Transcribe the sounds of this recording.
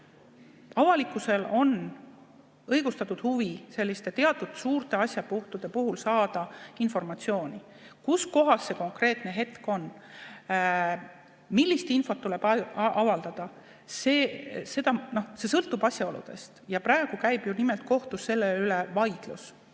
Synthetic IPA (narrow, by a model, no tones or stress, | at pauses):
ɑvɑlikːˑuse̞lo̞n | ɤjɡ̥ust̪ɑt̪ːˑud̪̥huvise̞lʲːist̪e̞t̪e̞ɑt̪ːˑud̪̥suːɾt̪e̞ɑsʲjɑpuht̪ud̪̥e̞puɦulsɑːd̪̥ɑinfo̞rmɑt̪sio̞ːnʲi | kusko̞ɦɑsːe̞ko̞ŋkre̞ːt̪ne̞ɦe̞t̪ko̞n | milʲːist̪info̞t̪ːule̞b̥ɑɑvɑld̪̥ɑd̪̥ɑ | seːse̞d̪̥ɑno̞hse̞sɤlt̪ːˑub̥ɑsʲjɑo̞lṵd̪̥e̞̰st̪jɑprɑeɡ̥ukæjb̥junimelt̪̚ko̞ht̪use̞lːeylevɑjd̪̥lṵs